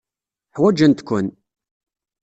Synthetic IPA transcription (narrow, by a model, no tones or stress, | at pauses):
ħwæd͡ʒənt̪kʷːʊn